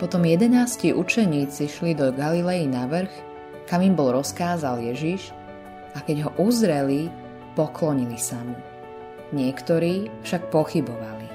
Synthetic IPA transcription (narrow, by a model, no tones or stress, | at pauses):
pɔt̪ɔmjɛd̪ɛnaːsciʔut͡ʃɛɲiːt͡siʃlid̪ɔɡalilɛjinaʋr̩x | kamimbɔlɾɔskaːzaljɛʒiʃ | akɛɟɦɔʔuzɾɛli | pɔklɔɲilisam | ɲɪɛkt̪ɔɾiːfʃak̚pɔxibɔʋali